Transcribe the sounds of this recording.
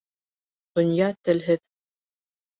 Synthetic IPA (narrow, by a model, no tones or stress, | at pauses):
d̪̥ŏnjɑt̪ɘ̆lɦɘð